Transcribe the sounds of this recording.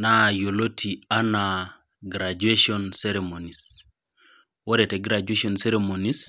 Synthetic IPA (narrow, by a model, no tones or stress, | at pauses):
najolotʰiana | ɡɾad͡ʒueʃonseɾemonis | woɾeteɡɾad͡ʒueʃonseɾemonis